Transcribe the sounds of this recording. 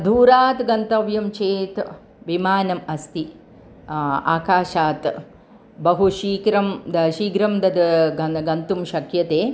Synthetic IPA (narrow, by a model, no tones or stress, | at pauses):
d̪ʱuːɾaːt̪ɡɐnt̪ɐʋjɐmt͡ʃeːt̪ | ʋimaːnɐmɐst̪i | a̰ːkaːʃaːt̪ | bɐɦuʃiːkɾɐmd̪ʃiːɡɾɐmd̪ɐd̪ɡɐɡɐnt̪umʃɐkjɐt̪eː